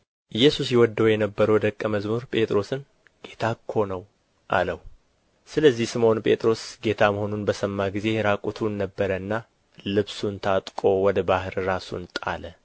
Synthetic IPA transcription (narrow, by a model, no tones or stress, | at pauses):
ʔɨjːɛsusjɛwɔd̪ːəwjɛnəbːəɾəwd̪əkʼːəməzmuɾpʼe̞t̪ʼɾo̞sɨn | ɡ̥e̞t̪ʰakʰːo̞nəw | ʔa̰ləw | sɨləzːihsɨmo̞npʼe̞t̪ʼɾo̞sɡe̞t̪ʰaməho̞nunbəsəmːaɡize̞ɾakʼut̪ʰunːəbːəɾəɨnːa | lɨβsunt̪ʰat̪ʼkʼo̞wɔd̪əbahɨɾɾasṵnt̪ʼa̰lə